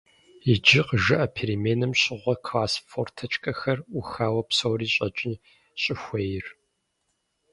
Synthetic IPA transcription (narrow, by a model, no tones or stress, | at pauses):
id͡ʒɪqəʒɨʔɐpʰeːɾimeːnɨmɕʼɪʁʷɔkʰlaːsfortʰɐt͡ʃʼkʼɐxɐruxaːwɐpsowriːɕʼɐt͡ʃʼɪ | ɕʼɪxʷejɪr